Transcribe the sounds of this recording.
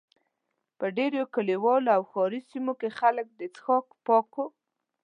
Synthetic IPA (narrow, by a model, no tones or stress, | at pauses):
pəɖeɾokəliwɑlawxɑɾisimokexalək̚d̪ət͡sxɑkpɑko